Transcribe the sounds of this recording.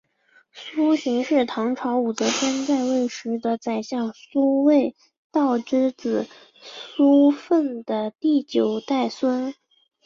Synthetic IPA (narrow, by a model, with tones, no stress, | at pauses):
su˥ɕi˧˥ŋʂɻ̩˥˩t̪ʰɑ˧˥ŋʈ͡ʂʰwɑ˧˥ʊu˨˩t͡sɤ˧˥pʰjɛ˥nt͡sa˥˧ɪwe˥˩ɪʂɻ̩˧˥d̪ə˧t͡sa˨˩ɪɕjɑ˥˩ŋsu˥we˥˩˧ɪ | t̪ɑ˥˩ʊʈ͡ʂɻ̩˥t͡sɹ̩˨˩ | su˥fə˥˩nd̪̥ə˩t̪i˥˩t͡ɕjo˨˩ʊt̪a˥˩ɪswə˥n